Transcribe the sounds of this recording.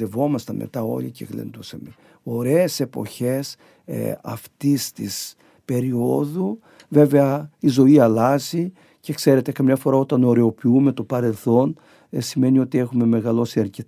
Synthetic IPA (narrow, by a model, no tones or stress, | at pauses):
evo̞mɐst̪ɐme̞̰t̪ɐo̞̰licḛɣlḛnd̪usɐme̞ | o̞ɾe̞ːse̞po̞̰çe̞s | ɐ̰ft̪ist̪is | pe̞ɾio̞ðu | ve̞ve̞ɐizo̞iɐlɐzi | ce̞kse̞ɾe̞t̪e̞kɐmɲɐfo̞ɾɐot̪ɐno̞ɾe̞o̞piume̞t̪o̞pɐɾe̞lθo̞n | sime̞nio̞t̪ie̞xume̞me̞ɣɐlo̞siɐɾce